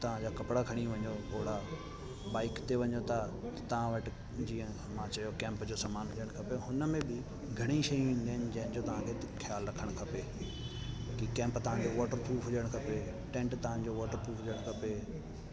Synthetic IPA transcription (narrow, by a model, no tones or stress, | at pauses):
t̪ɐʋ̤ãd͡ʑaːkɐpɪɽakʰɐɽ̃iʋɐ̃ɲop̪oːɽa | baːɪkt̪eʋɐɲot̪ʰat̪ɐ̥t̪ɐʋ̤ãʋɐʈɪ | d͡ʑiːə̃ | mãt͡ɕɐjokɛ̃ːmpd͡ʑoːsaːmaːnɦʊd͡ʑəɽ̃kʰɐpeɦʊnəmẽbɪ | ɡʱɐɽ̃iʃɐilɐɦnɪ̆d͡ʑɐɦɪnd͡ʑoːt̪ɐʋ̤ãkʰe | kʰjaːlɾɐkʰəɽ̃kʰɐpeː | kikɛ̃ːmpt̪ɐʋ̤ãd͡ʑoʋɔːʈəɾpʰuːɦʊd͡ʑəɽ̃kʰɐpe | ʈɛ̃ːɳʈt̪ɐʋ̤ãd͡ʑoʋɔːʈəɾpʰuːɦʊd͡ʑəɽ̃kʰɐpeː